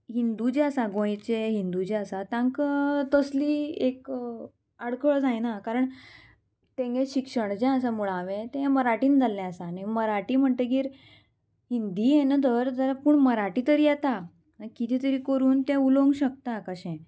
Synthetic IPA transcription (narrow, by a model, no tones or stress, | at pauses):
ɦind̪ud͡ʑɛ̃əsaɡõjt͡ɕeɦind̪ud͡ʑeəsat̪ãŋkt̪əsliːek | aɽkəɭd͡zajnakaɾəɳ | t̪ẽŋɡẽɕikʂəɳd͡ʑɛ̃əsamuɭaʋẽt̪ẽẽməɾaʈiːnd͡zʱalːɛ̃əsaniməɾaʈiːm̤əɳt̪eɡiːɾ | ɦind̪iːjenat̪əɾd͡zəɾapuːɳməɾaʈiːt̪əɾiːjat̪a | akit̪ʰit̪əɾiːkəɾuːnt̪ɛ̃uloŋɡɕək̚t̪akəɕɛ̃